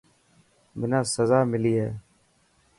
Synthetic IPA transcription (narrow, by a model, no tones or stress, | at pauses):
mɪnãːsəzaːmɪliːɦɛ̰ː